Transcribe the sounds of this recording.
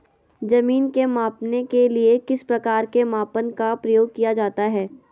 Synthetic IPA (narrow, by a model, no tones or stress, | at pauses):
zɐmiːnkemaːpnekeliekɪspɾɐkaːɾkemaːpənkapɾɐjoːɡ̚kijad͡ʒaːt̪aɦɛː